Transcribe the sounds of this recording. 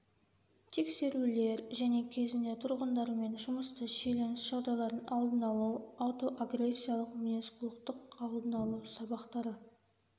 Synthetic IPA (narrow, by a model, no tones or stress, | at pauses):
t̪ʰe̞kse̞ɾule̞ɾʒæne̞kʲʰe̞zɪnd̪e̞t̪ʰʊɾʁənd̪ɑɾme̞nʒʊməst̪əʃejle̞nɪsʒ̥ɑwd̪ɑlˠɑɾənʔɑlˠd̪ənɑlˠuwawt̪o̞ʔaɡɾe̞sːijalˠəqmʲeneskulˠəqt̪əqɑlˠd̪ənɑlˠuwsɑbɑqt̪ɑɾə